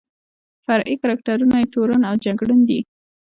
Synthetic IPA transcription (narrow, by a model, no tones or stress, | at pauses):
faɾʔikaɾak̚ʈaɾunajet̪oɾanawd͡ʒaɡɽənd̪i